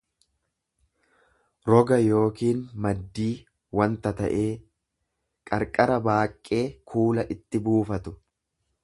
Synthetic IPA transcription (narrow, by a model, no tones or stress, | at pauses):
ɾɔɡɐjo̞ːkiːnmɐd̪ːiː | wɐnt̪ɐt̪ɐ̰ʔe̞ː | kʼɐɾkʼɐɾɐbaːkʼːe̞ːkʰuːlɐʔɪt̪ːɪbuːfɐt̪ʊ